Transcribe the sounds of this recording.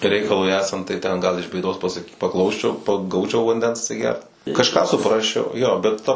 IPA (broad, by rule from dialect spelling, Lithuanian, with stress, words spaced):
ˈrʲɛɪkɐlˠʊɪ ˈæːsɐnt tɐɪ ˈtʲɛn ˈɡɐlˠ ɪʃ bʲeːˈdoːs pɐˈsɐk pɐˈklˠɐʊsʲt͡ʃʲɛʊ pɐ ˈɡɐʊt͡ʃʲɛʊ ʋɐnʲˈdʲɛns ɐtʲsʲɪˈɡʲɛrt kɐʃˈkɑː sʊˈprɑːsʲt͡ʃʲɛʊ joː bʲɛt ˈtɐ